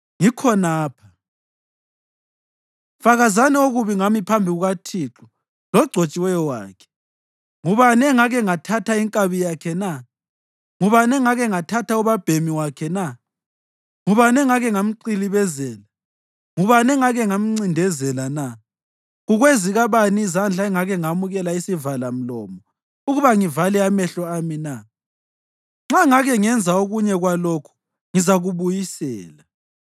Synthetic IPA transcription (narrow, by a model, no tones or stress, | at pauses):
ŋikʰɔnaːpʰa | faɣazanɛoɣuβiŋamipʰambʱiɣuɣatʰiǁu | lɔɡ͡ǀʱot͡ʃʼiwɛjɔwa̰ːkʰɛ̥ | ŋuβanɛŋaɣɛŋatʰatʰaiŋkʼaβijakʰɛna | ŋuβanɛŋaɣɛŋatʰatʰauβab̥ʱemiwakʰɛna | ŋuβanɛŋaɣɛŋam̩ǀiliβɛzɛːla | ŋuβanɛŋaɣɛŋam̩ŋ͡ǀindʱɛzɛlana | ɣuɣweziɣaβaniizand͡ɮʱaɛŋaɣɛŋamuɣɛlaisivalam̩lɔ̰ːmɔ | uɣuβaŋivalɛamɛɬɔamina | ŋ͡ǁaŋaɣɛŋɛnd͡zʱaoɣuɲɛɣwalokʰu̥ | ŋizaɣuβujisɛ̰ːla